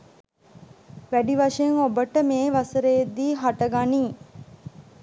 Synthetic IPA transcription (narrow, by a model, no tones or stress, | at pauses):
ʋæɖiʋaʂəeŋobəʈəmeːʋasəɾejːd̪iːɦaʈəɡaniː